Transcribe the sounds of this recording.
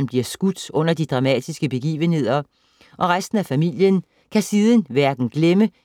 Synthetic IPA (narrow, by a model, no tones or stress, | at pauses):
nb̥liɐsɡ̥ud̥ɔ̽n̰ɐd̥id̥ʁɑ̈mɛ̰d̥isɡ̥əb̥e̝ɡ̥ḭːʋənhe̝ð̞̰ˠɐ | ʔɒ̽ʁasd̥n̩æfæmil̰jən | kʰæsiːð̞ˠən̩ʋæɐɡ̥n̩ɡ̥lemə